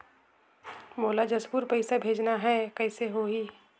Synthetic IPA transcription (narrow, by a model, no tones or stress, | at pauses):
moːlad͡ʒɐsbuːɾpɐɪsabʱeːd͡ʒnaɦɛkɛːseɦoːɦi